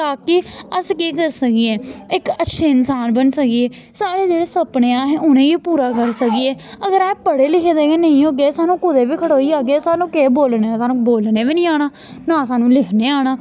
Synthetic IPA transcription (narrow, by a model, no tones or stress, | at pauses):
t̪aːkɪːəskiːkəɾsəkiɛːɪkətːʃʰeːɪnsaːnbənsəkieː | saːɽeːd͡ʒeːɽeːsəpneːãːɦeːʊnẽːiːpuːɾaːkəɾsəkiɛːəɡəɾɛːpəɽeːlɪkʰːd̪eːkeːnəĩːɦoːɡeːsaːnũːkʊd̪eːbiːkʰəɽoːiːaːɡeːsaːnũːkeːboːlneːɛːsaːnũːboːlneːʋiːnĩːaːɽ̃aː | nãːsaːnũːlɪkʰneːaːɽ̃aː